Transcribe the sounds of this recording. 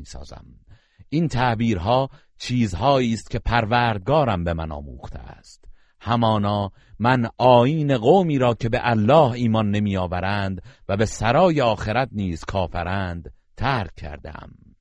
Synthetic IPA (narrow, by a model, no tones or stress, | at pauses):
sɒ̰ːzæ̰m | ʔint̪ʰæʔbiːɾɦɒː | t͡ʃʰiːzhɒːiːst̪̚cʰe̞pʰæɾvæːɾd̪̚ɡɒːɾæmbe̞mænɒ̰ːmṵːχt̪ʰḛæ̰st̪ | hæmɒːnɒː | mænʔɒːiːne̞ɣoːmiːɾɒːcʰe̞beʔælːɒːhiːmɒnːe̞miːjɒːvæɾænd̪væbe̞sæɾɒːjeɒːxe̞ɾæt̪niːz̥kʰɒːfæɾæːnd̪̥ | t̪ʰæːɾʲʰːæ̰ɾd̪ḛæ̰m